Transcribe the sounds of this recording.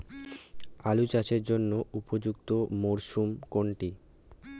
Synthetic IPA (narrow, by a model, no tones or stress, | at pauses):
alut͡ɕat͡ɕʰeɾd͡ʑonːoʔupod͡ʑuk̚t̪omoɾʃumkoɳʈi